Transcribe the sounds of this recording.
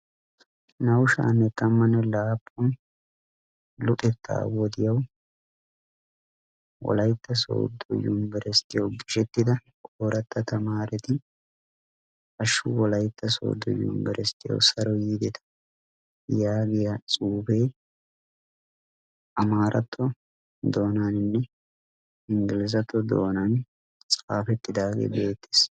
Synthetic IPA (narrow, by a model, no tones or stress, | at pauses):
nɐwʃa̰ːnɛt̪ːɐmːɐnɛlaːpʼːʊn | lʊt̪ʼɛt̪ːa̰ːwɔd̪ɪjɐw | wɔ̰lɐjt̪ːɐso̰ːd̪ːɔjːṵnbɛɾɛst̪ːɪjɐwɡɪʃɛt̪ːɪd̪ɐkʼoːɾɐt̪ːɐt̪ɐmaːɾɛt̪ɪ | ʔɐʃːṵwɔlɐjt̪ːɐso̰ːd̪ːɔ̰jṵːnbɛɾʔɛst̪ːɪjɐ̰wsɐɾɔjiːd̪ɛt̪ʰɐ̥ | jaːɡɪjat͡sʼuːbeː | ʔɐmaːɾʔɐt̪ʰːɔ | d̪o̞ːnaːnɪnːɛ | ɪŋɡɪlɪzɐt̪ːɔd̪o̰ːnan | t͡sʼaːfɛt̪ːɪd̪aːɡḛːbe̞ːt̪ːe̥s